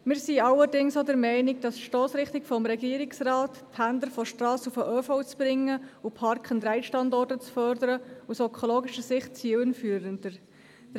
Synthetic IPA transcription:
mɪːɾsiɑləɾdɪŋsodɛɾmɛɪnɪk̚d̥ɑsʃtoːsɾɪχtɪkfɔmɾɛɡiəɾɪksrɑːtthænd̪əɾfɔʃtrɑːsufəʔøfɔwt͡sb̥ɾɪŋːəupʰɑrkχənd̪ɾɛɪʃtɑndɔrtət͡sfœɾdəɾəusœkχoloːɡɪʃəsɪχt̚t͡siːəwənfyːəɾəndə̥

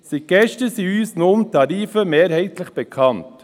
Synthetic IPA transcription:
sit̚ɡ̥ɛʃtəsiyːsnʊmtʰɑɾiːfəmeːɾhɛɪtləχb̥ɛkʰɑnt

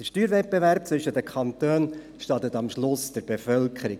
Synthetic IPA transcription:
əʃtyːɾvɛt̚b̥eʋæɾp̚t͡sʋʏʃːətdəkʰχɑnt̪øːn | ʃtɑt̪ət̪ɑmʃlʊsd̥əɾb̥efœlkχəɾi

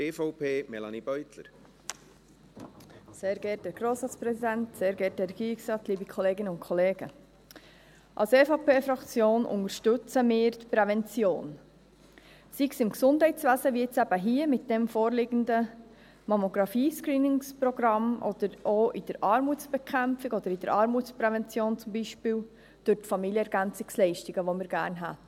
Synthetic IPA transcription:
eːfɔʊpʰeːmɛlɑ̰nib̥œʏt̪ləɾ | seːɾɡɛːtɛɡ̥ɾoːsɾɑːt͡spɾɛsid̪ænt̪seːɾɡɛːt̚ɛɡ̥iːksɑːtliːbikʰɔleːɡɪnəʊntkʰɔleːɡ̥ə | ʔɑ̰lsɛːfɑpeːfɾɑkt͡sjoːnʔʊ̰ŋəɾʃtʏt͡səmɪːɾt̪pɾɛvɛnt͡sjoːn | siksɪmksʊnd̥ɦɛɪtt͡sʋæːzəʋiɪt͡sæb̥əɦiəmɪt̚d̥ɛmfoːɾlɪɡəndə | mɔmoɡɾɑfiːskɾiːnɪŋsprɔɡ̥ɾɑmʔɔ̰d̪̥əɾʔoʔɪd̥əɾʔɑːɾmut͡sb̥ɛkʰæmfɪɡɔd̥̪əɾɪd̥əɾʔɑɾmut͡spɾɛvɛnt͡sjoːnt͡sʊmbiʃpiːl | d̥ʉtfɑmiljəɛɾɡ̥ænt͡sɪkslɛɪʃtɪɡəʋomɪːɾɡæ̰ːɾnɦæ̰t

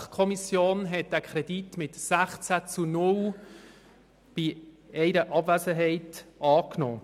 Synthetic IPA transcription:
χkʰɔmisjoːnɦɛt̚d̥ækʰχɾɛditmɪtsæχt͡sæt͡sunʊl | b̥i | ɛɪɾəʔɑbvæsəɦɛɪtʔɑːkno̰ː

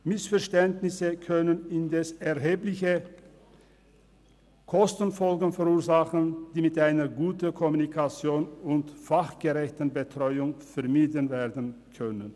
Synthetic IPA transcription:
mɪsfɛɐʃtɛntnɪsəkʰœnənɪndɛsɛɐɦeːplɪçə | kʰɔstən̩fɔlɡ̩fɛʁuːɐzaχənd̥iːmɪtʔaɪnɐɡuːtənkʰɔmunikʰat͡sjoːnʊntfaχɡ̥əʁɛçtn̩bətʁ̥ɔʏʊŋfɛɐmiːdənveːɐdən̩kʰœnən

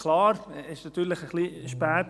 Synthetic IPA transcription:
klɑːɾɪʃnɑt̪yːlɪχəχliːʃpɛːt

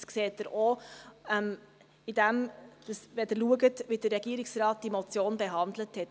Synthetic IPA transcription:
skseːt̚əɾʔoɛm | id̥æmd̥ɑsʋɛdəɾluəɡətʋidərːɛɡ̥iəɾɪksrɑːt̚d̥imot͡sjoːnbɛɦɑnd̪ləthɛt

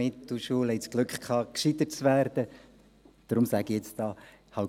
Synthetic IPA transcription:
ɪtd̥uʃuːlhɛjt͡sɡ̥lʉkχkʰɑːkʃit̪ətt͡svæːɾd̪̥ə | d̪̥ɾʊmsæɡiɛt͡sd̥ɑː | hɑw

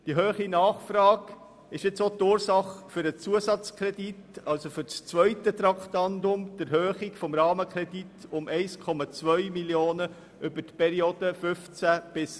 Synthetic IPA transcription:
d̥iɦøːχinɑːχfɾɑːɡ | ɪʃɪt͡sot̪ʊːɾsɑχfʏɾət͡suəsɑt͡skʰɾɛditɑlsofʏɾt͡st͡sʋœʏtət̪ɾɑkʰtɑndʊmd̥əɾɦøːχikfɔmɾɑːməkʰɾɛd̥itʊmɛɪskʰɔmɑt͡svœʏmiljoːnə | ʔʏbətpʰɛɾioːd̥əfʏft͡sæb̥ɪs

